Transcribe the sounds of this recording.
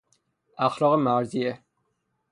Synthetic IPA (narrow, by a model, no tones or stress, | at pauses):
æxlɒːɣemæɾzie